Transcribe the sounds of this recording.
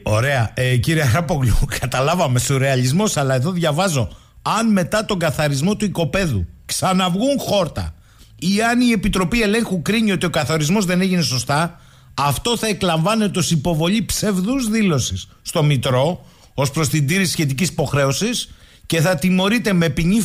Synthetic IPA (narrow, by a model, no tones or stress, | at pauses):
o̞̰ɾe̞ɐeciɾiɐxɾɐpoɣlukʰɐt̪ɐlɐvɐme̞st̪oɾe̞ɐʎizmo̞sɐlɐe̞ðo̞ðʝɐvɐzo̞ | ɐnme̞t̪ɐt̪o̞ŋɡɐθɐɾizmo̞t̪uiko̞pe̞ðuksɐnɐvɣuŋxo̞ɾt̪ɐ̰ | iɐnie̞pit̪ɾo̞pie̞le̞ŋxukɾiɲio̞t̪io̞kɐθoɾizmo̞zðe̞ne̞ʝine̞so̞st̪ɐː | ft̪o̞θɐe̞klɐɱvɐne̞t̪o̞sipo̞vo̞ʎipse̞vðuzðilo̞sisːt̪o̞mit̪ɾo̞ | o̞spɾo̞st̪ind̪iɾisçe̞t̪̬icisi̥po̞xɾe̞o̞sisce̞θɐt̪imo̞ɾit̪e̞me̞piɲi